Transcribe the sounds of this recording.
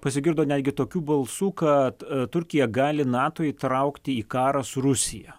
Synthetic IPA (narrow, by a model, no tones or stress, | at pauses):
pɐsʲɪɡʲɪɾd̪oːnʲæd̪ʲɡʲɪt̪oːkʲuːbɐlˠsuːkɐt̪t̪ʊɾʲkʲɪjɛɡɑːlʲɪnɑːt̪oːit̪ɾɐʊkt̪ʲɪiːkɑːɾɐsʊɾʊsʲɪjɛ